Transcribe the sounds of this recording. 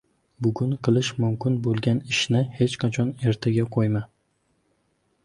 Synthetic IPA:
bʊɡʲʊɴqʰɨlˠɪʃmʊmkʲɪnbolˠɡʲanɪʃnɪhe̞t͡ʃqʰɑt͡ʃʰɒne̞ɾt̪ʰaɡʲaqʰojma

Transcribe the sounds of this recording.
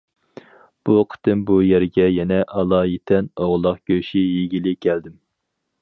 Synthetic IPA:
b̥uqʰə̥t̪ɨmbujɛɾɡʲɛjɛnɛʔɑlˠɑːjit̪ʰɛnoʁlˠɑqɡ̥ʲøʃijiɡʲilɪkʲʰɛld̪ɪm

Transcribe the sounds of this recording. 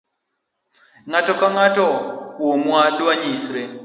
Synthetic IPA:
ŋatɔkaŋatɔwomwadwaɲisɾɛ

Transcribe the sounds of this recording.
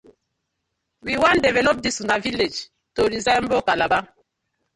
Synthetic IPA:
wiwãndɛvɛlɔp̚disunaviled͡ʒ | toɹizãmbokalaba

